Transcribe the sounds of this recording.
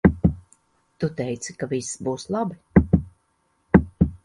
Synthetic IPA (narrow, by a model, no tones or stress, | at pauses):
t̪ut̪ɛjt̪si̥kavisbuːslˠabi